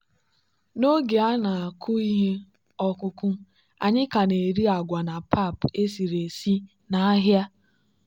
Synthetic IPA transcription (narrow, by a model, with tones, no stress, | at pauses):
no˦ɡe˨a˦na˨a˨kʰʊ˦i˦ɦe˦ | ɔ˦kʊ˦kʊ˦ | a̰˨ɲɪ˦ka˨ne˨ɾi˦a˨ɡʷa˨na˨pa˦˨pe˦si˨ɾe˨si˦ | na˦a˦ɦja˦